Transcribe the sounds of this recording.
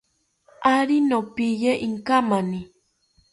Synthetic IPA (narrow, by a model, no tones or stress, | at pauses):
aɾinopijeʔiŋkamani